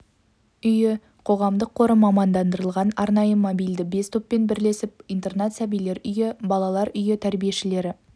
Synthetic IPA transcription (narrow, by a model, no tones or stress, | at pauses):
ʏjɪ | qʰo̞ʁɑmd̪əqʰːo̞ɾəmɑmɑnd̪ɑnd̪əɾəlˠʁɑnɑɾnɑjəmobijld̪ɪbe̞st̪ʰopːe̞nbɪɾle̞sɪp̚ijnt̪e̞rnɑt̪sæbijle̞ɾʏjɪbɑlˠɑlˠɑɾʏjɪt̪ʰæɾbije̞ʃɪle̞ɾɪ